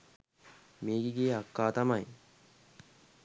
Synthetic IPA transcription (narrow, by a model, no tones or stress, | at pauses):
meːkiɡeɐkːaːt̪ɐmɐj